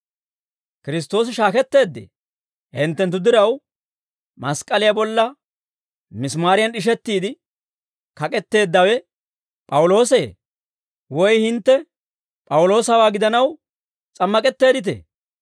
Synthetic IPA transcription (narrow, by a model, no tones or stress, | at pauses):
kɪɾɪs̬t̪ːo̞ːs̬ɪʃaːkɛt̪ːe̞ːd̪ːḛ | hɪnt̪ːɛnt̪ːʊd̪ɪɾɐw | mɐskʼɐlɪjabɔlːɐ | mɪsmaːɾɪjɐnɪʃ̬ɛt̪ːiːd̪ɪ | kɐkʼɛt̪ːe̞ːd̪ːɐwɛ | pʼɐwʊlo̞ːseː | wɔjhɪnt̪ːɛ | pʼɐwʊlo̞ːsɐwaːɡɪd̪ɐnɐw | t͡sʼɐmːɐkʼɛt̪ːe̞ːd̪ɪt̪̬ḛː